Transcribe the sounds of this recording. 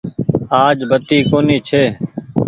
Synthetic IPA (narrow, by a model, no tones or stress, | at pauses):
aːd͡ʒbət̪iːkoːniːt͡ʃʰeː